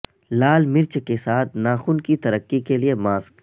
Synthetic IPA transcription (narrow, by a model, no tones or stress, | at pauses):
laːlmɪɾt͡ʃkesaːt̪ʰnaːxuːnkit̪ɐɾəkːikeliemaːsk